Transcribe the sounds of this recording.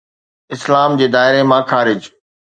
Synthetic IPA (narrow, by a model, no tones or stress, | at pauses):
ɪslaːmd͡ʑeːd̪aːɪɾemãːxaːɾɪd͡ʑ